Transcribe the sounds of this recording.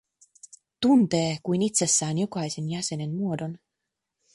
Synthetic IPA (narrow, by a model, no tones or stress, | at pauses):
t̪unt̪eːkujnit̪ʲsʲesːæːnjokɑjsenjæsenenmuodon